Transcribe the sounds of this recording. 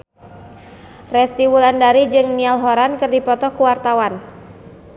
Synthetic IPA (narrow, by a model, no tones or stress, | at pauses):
rɛst̪iwulandaɾid͡ʒɨŋnialɦɔɾankərdipɔt̪ɔkuwart̪awan